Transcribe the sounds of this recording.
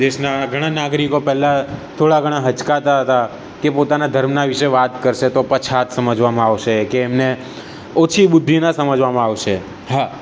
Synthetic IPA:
d̪eʃnaɡʱəɽ̃ãnaɡɾikopɛɦlat̪ʰoɽaɡʱəɽ̃aɦət͡ʃkat̪aɦət̪a | kepot̪anad̪ʱəɾmnaʋiʃeʋat̪kəɾʃet̪opət͡ʃʰat̪səməd͡ʒʋamãaʋʃekeːmne | ot͡ʃʰiɓʊd̪ʱːinasəməd͡ʒʋamãaʋʃe | ɦa

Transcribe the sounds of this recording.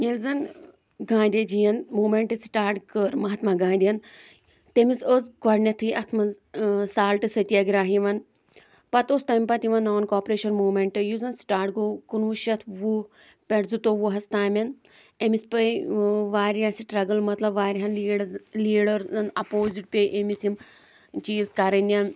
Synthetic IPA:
elzɐn | ɡãːnd̪ʲed͡ʒijɐnmoːmẽɳʈɨsʈaːɾʈkəɾmɐɦɐt̪maɡãːnd̪ʲiɐn | t̪emisosɡɐɾnɐt̪ʰɨjʔɐt̪ʰmɐ | saːlʈɨsɐt̪iaɡɾaːɦiʋɐn | pɐt̪oːst̪ɐjmpɐt̪iʋɐnːoːnkoːpɾeːʃɐnmoːmẽɳʈɨjuzɐnsʈaːɾʈɡoːkunʋuʃɐt̪ʰʋu | pʲeʈzut̪oʋuɦɐst̪aːmɐn | emispɐjʋaːɾjasiʈɾɐɡəlmɐt̪lɐbʋaːɾiɦɐnːɽliːɽəɾɐnɐpoːziʈ̚pʲeʔemisim | t͡ʃiːzkɐɾɐnʲɐn

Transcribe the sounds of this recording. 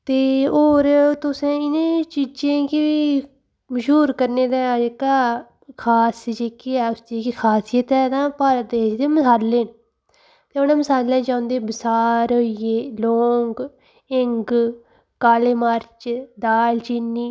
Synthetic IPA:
t̪eːoːɾt̪ʊsẽːɪnẽːt͡ʃiːd͡ʒẽːkɪʋi | məʃɦuːɾkəɾneːd̪aːd͡ʒekaː | kʰaːsd͡ʒeːkiɛːʊsd̪eːkikʰaːsijət̪ɛːd̪ãːpaːɾd̪eːʃd̪eːməsaːlːeːn | t̪eːʊneːməsaːlːeːd͡ʒãːʊ̃nd̪eːbɪsaːɾɦoieːloːŋɡ | ɪŋɡ | kaːleːmaɾt͡ʃd̪aːlt͡ʃinːiː

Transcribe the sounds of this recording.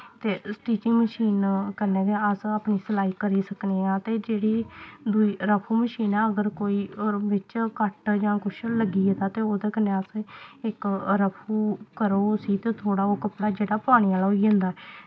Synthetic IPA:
t̪eːsʈiːt͡ʃɪŋməʃiːnkəɾneːd̪eəsaːpɳiːsəlaːiːkəɾiːsəkneːãːt̪eːd͡ʒeːɽiːd̪uiːɾəpʰuːməʃiːnãːəɡəɾkoːiːʋɪt͡ʃkəʈd͡ʒãːkʊt͡ʃʰləɡiːd̪aːt̪eːoːd̪eːkənːeːaːsɪkɾəpʰuːkəɾoːsiːt̪eːt̪ʰoːɽaːoːkəpɽaːd͡ʒeːɽaːpaːɽ̃iːaːlaɦoid͡ʒə̃ːnd̪aːɛː

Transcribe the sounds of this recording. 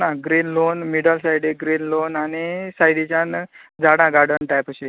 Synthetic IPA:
nãɡɾinlonmiɽəlsajɽeɡɾinlonañisajɽit͡ɕan | d͡zaɽ̃ãɡaɾɽənʈajpəɕe

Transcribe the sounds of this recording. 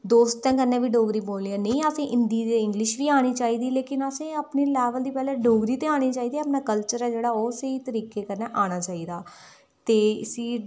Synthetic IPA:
d̪oːst̪t̪ɛ̃ːkəɾnẽːbiːɖoːɡɾiːboːlijãːnəĩːəsẽːʔɪ̃nd̪iːd̪eɪ̃ŋɡlɪʃʋiːaːɽ̃iːt͡ʃaːiːd̪iːleːkɪnəsẽːəpneːlɛːʋəld̪iːpɛːlɛ̃ːɖoːɡɾiːt̪ẽːaːɽ̃iːt͡ʃaːiːd̪iːəpnaːkəlt͡ʃəɾɛːd͡ʒeːɽaːoːsəiːt̪əɾiːkeːkəɾneːʔaːɽ̃aːt͡ʃaːiːd̪aː | t̪eːɪsiː

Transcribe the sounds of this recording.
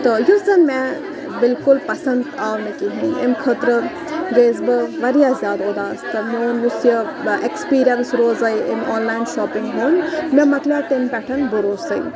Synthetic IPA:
t̪əjusɐnmɛ̃ | bɪlkʊlpɐsɐnd̪aːʋnɐkiɦɐnḛmkʰəːt̪ɾə | ɡəːzbɨʋɐɾijazʲjaːd̪oːd̪aːst̪ɐmoːnjusjəekspiːɾijɐnsɾoːzɐjiʔɪ̰mɔːnlaːjnʃɔːpiŋɡɦoːnmɛ̃mɐt̪lʲɐt̪empɛʈʰɐnbuɾoːsɐḭ

